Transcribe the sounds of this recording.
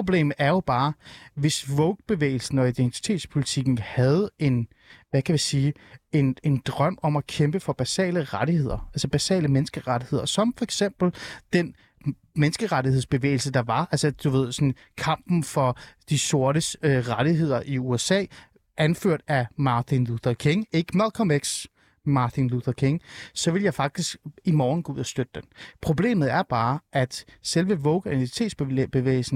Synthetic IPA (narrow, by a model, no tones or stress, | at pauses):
o̝b̥lḛːm̩æɐjo̝b̥ɑ̈ːʋe̝sʋɔʊɡ̥̚b̥e̝ʋḛːɪl̩sn̩ɒ̽id̥ent͡sʰi̥t͡sʰe̝̰ːd̥spʰo̝lit͡sʰiɡ̥n̩hæð̞̩ˠe̝n | ʋækʰæʋisiːe̝ne̝nd̥ʁɶm̰ɒ̽mækʰemb̥əfɒ̽b̥æsɛ̰ːləʁaɾihe̝ð̰ˠɐælsəb̥æsɛ̰ːləmenəsɡ̥əʁaɾihe̝ð̞̰ˠɐsɒ̽mfɒ̽eɡ̥sem̰b̥l̩d̥en | mensɡ̥əʁaɾiheð̰ˠsb̥e̝ʋḛːɪl̩səd̥ɑ̈ʋɑ̈ælsəd̥uʋe̝ð̞̰ˠsɒ̽n | kʰɑ̈m̰b̥n̩fɒ̽d̥iso̝ɐɾəøʁaɾ̥iɦe̝ð̞̰ˠɐʔiuesɛ̰ː | ʔænføɐ̰d̥æmɑ̈t͡sʰinluθɐkʰe̝ŋe̝ɡ̥əmælˠkʰɒmeɡ̥s | mɑ̈ːt͡sʰinluθɐkʰe̝ŋsɒ̽ʋe̝ljɑ̈ɪfɑ̈ɡ̥̚d̥isɡ̥imɒːn̩ɡ̥ɔ̽uð̰ˠɐsd̥ød̥əd̥enpʰʁo̝b̥le̝̰ːmð̩ˠæɐb̥ɑ̈ːʔæd̥selʋəʋɔʊɡ̥ʁinʰit͡sʰe̝̰ːd̥sb̥b̥e̝ʋḛːɪl̩sn̩